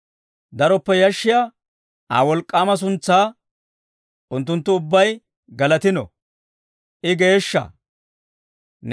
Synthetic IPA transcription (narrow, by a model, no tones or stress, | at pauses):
d̪ɐɾɔpːɛjɐʃːɪja | a̰ːwɔlkʼːaːmɐs̬ʊnt͡sːaː | ʔʊnt̪ːʊnt̪ːʊʊbːɐj | ɡɐlɐt̪ɪnɔ̰ | ʔɪɡe̞ːʃːɐ̰ | n